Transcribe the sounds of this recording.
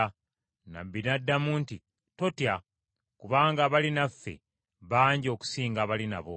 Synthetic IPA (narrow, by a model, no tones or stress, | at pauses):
na̰bːinadːamunti | to̞tja | kuβaːŋɡaːβalinafːe̞̰ | βaːɲɟo̞ːku̥siːŋɡaːβalina̰βo̰